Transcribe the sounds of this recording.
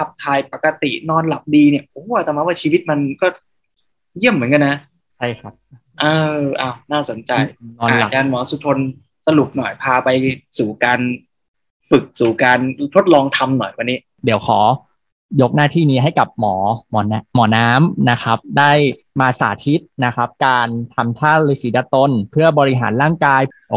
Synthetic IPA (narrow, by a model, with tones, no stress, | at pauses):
tʰa˨˦˩p̚t̪ʰaː˧jpa˨˩ka˧t̪ḭ˨˩nɔː˧nla˨˩p̚diː˧ni˧˩ɐʔoː˨˧˦a˧˩t̪ɛː˨˩ma˦˥waː˥˩t͡ɕʰiː˧wi˦˥t̪̚ma˧nkɔː˥˩ | ji˥˩əmːɯ˦ənka˧nːa˦˥ | t͡ɕʰa˥˩jkʰa˦˥p̚ | ʔɤː˧ʔa˧˩wnaː˥˩so˨˩˦nt͡ɕa˧jnɔː˧˨la˨˩t͡ɕaː˧nmɔː˩˦su˨˧t̪ʰo˧n | sa˧lu˨˩p̚nɔ˨˩jpʰaː˧pa˧jsuː˨˩kaː˧n | fɯ˨˩k̚suː˨˩kaː˧nt̪ʰo˦˥t̪̚lɔː˧ŋt̪ʰa˧mnɔ˨˩jwa˧nːiː˦˥ | di˩˦wxʰɔː˩˦ | jo˦˥k̚naː˥˩t̪ʰiː˥˩niː˦˥ɦa˥˩jka˨˩p̚mɔː˩˦mɔː˩˦n˧˥mɔː˩˦naː˦˥mna˦˥xʰa˦˥p̚daː˥˩j | maː˧sa̰ː˩˦t̪ʰi˦˥t̪̚na˦˥xʰa˦˥p̚kaː˧nt̪ʰa˧mt̪ʰaː˥˩lɯː˧˥siː˩˦daː˧˥t̪o˧npʰɯ˥˩ɐbɔː˧i˦˥ɦa̰ː˩˦nɾaː˥˩ŋkaː˧j | ɔ˨˩